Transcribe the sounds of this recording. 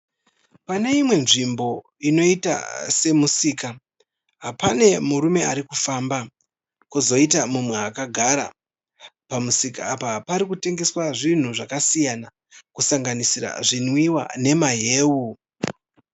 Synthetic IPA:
pane̞imwe̞nʐimbo̞ | ino̞ita̰se̞musiːka | ɦapane̞muɾume̞aɾikufaːmba | kuzo̞itamumwe̞akaɡʱaɾa̰ | pamusikaːpapaɾikute̞ŋɡe̞swaʐin̤uʐakasijana | kusaŋɡanisira̰ʐinwiwa̰ne̞maɦe̞ːwu

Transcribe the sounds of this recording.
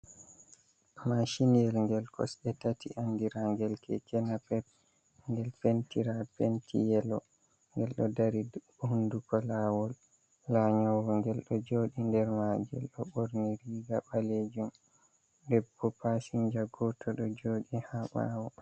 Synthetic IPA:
maʃinijɛlŋɡɛlkɔ̰sɗɛtatiʔandiɾaŋɡɛlkʰɛ̰kʰɛnapɛp̚ | ŋɡɛlpentiɾapentʰḭjɛlɔ | ŋɡɛlɗɔdaɾid | hundukɔlawɔl | laɲɔwɡɔŋɡɛlɗɔd͡ʒoɗindɛɾmad͡ʒɛ̰lɗɔɓoɾniɾiɡaɓaled͡ʒum | dɛbːɔpasiɲd͡ʒaɡɔtʰɔɗɔd͡ʒoːɗihaɓa̰wɔ

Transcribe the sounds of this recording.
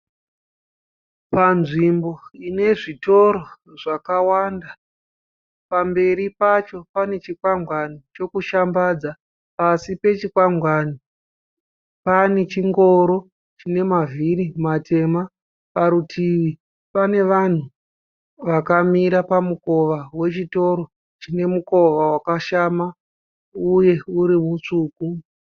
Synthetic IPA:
panʐimboine̞ʐito̞ɾoʐakawanda | pambe̞ɾipat͡ʃo̞pane̞t͡ʃikwaŋɡwanit͡ʃo̞kuʃambad͡za | pasipe̞t͡ʃikwaŋɡwani | pane̞t͡ʃiŋɡo̞ɾo̞ | t͡ʃine̞mavʱiɾimatʰe̞ma | paɾutʰiʋi | pane̞ʋan̤u | ʋakamiɾapamuko̞ʋawe̞t͡ʃito̞ɾo̞ | t͡ʃine̞muko̞ʋawakaʃama | uje̞uɾimut͡ʂuːku

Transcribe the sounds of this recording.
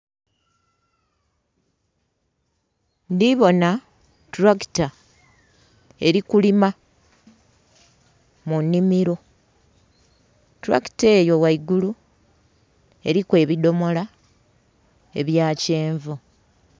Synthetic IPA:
ndiβo̞na | tɾaki̥ta | e̞ɾikulima | munːimiɾo̞ | tɾa̰kte̞ːjo̞waiɡulu | e̞̰ɾikwe̞ːβido̞mo̞la | e̞̰βjaːce̞ːɱvu

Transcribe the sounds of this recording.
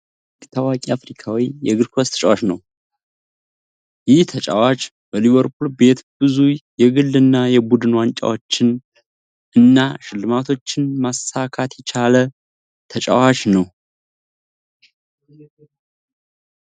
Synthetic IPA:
t̪ʰawakʼiafɾikʰawijɛɡɨɾkʰost̪ʰə̥t͡ʃʼawat͡ʃnəw | jɪht̪ʰət͡ʃʼa̰wat͡ʃʼ | bəliβəɾpʰulbe̞t̪bɨzujɛɡɨlːɨnːajɛbud̪ɨnwant͡ʃʼa̰wo̞t͡ʃːɪn | ɨnːaʃɨlːɨmat̪ʰo̞t͡ʃːɪnmasakʰat̪jɛt͡ʃʰalə | t̪ʰət͡ʃʼa̰wat͡ʃnəw

